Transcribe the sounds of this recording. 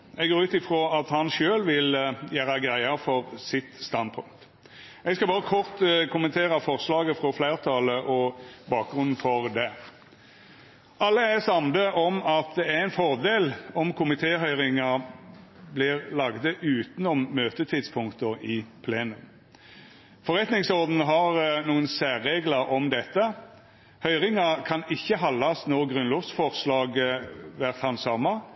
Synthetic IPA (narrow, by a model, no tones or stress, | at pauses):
ɛɡoːɾʉːt̪ɪfɾoːɑt̪hɑnʃøːlʋɪljæːɾɑɡʁæɪɑfɔɾsɪt̪st̪ɑnd̪̚pʰʊ̰ŋt̪ | ɛɡskɑbɑːɾəkʰɔɾt̪kʊmənt̪ʰeːɾɑfɔʁslɑːɡəfɾɔflæɪɾt̪ʰɑːləʔɔbɑːk̚ɡʁʉnn̩fɔʁd̪ɛ | ʔɑlːəæsɑmd̪əʔɔmɑt̪̚d̪ɛæʁɛɪnfɔʁd̪eːlɔmkʰʊmɪt̪ʰeːɦœʏɾɪŋɑ | blɪʁlɑːɡd̪əʔʉːt̪nɔmːøːt̪ət̪ʰɪd̪spʰʊŋkt̪əɪpʰleːnʉm | fɔɾɛt̪nɪŋsɔʁd̪n̩ɦɑʁnuːənsæːʁeːɡlɑɾɔmd̪ɛt̪ːə | hœʏʁɪŋɑkʰɑnɪçːəɦɑlːɑsnɔʁɡʁʉnlɔʋsfɔʁslɑːɡʋæʁt̪hɑnsɑmːɑ